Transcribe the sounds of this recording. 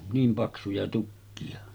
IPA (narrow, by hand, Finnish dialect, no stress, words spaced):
niːm pɑksujɑ tukːiɑ